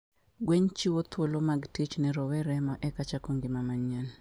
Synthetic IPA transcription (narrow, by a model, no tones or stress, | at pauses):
ɡweɲt͡ʃiwot̪ʰwolomaɡtit͡ʃnɛɾɔwɛɾɛmɔʔɛkat͡ʃakoŋɡɪmamaɲan